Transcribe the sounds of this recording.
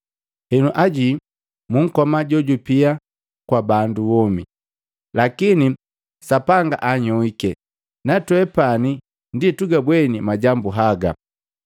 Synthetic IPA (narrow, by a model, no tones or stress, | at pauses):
hɛnuʔaɟi | muŋ̩kɔmaɟɔɟupia | kwabanduwɔmḭ | lakini | sapaŋɡaʔaɲɔwikɛ | natwɛpani | ndituɡabwɛnimaɟambuɦaɡa